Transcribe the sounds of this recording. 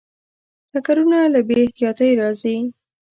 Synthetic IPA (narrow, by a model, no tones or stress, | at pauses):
ʈakaɾunalabeɪht̪ijɑt̪əjɾɑzi